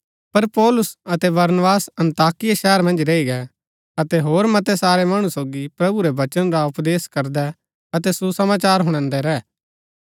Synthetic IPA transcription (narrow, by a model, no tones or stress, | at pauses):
pɐɾpɔːlʊsɐt̪ɛbɐɾnbaːsɐ̃nt̪aːkɪjaʃɛːəɾmɐ̃nd͡ʒɾeiɡɛ | ɐt̪ɛɦoːɾmɐt̪ɛsaːɾɛmɐɽ̃ũsoːɡipɾɐbuɾɛʋɐt͡ʃənɾaʊpd̪eːskɐɾd̪ɛ | ɐt̪ɛsusɐmaːt͡ʃaːɾɦʊ̃ɽ̃ãːnd̪ɛɾɛː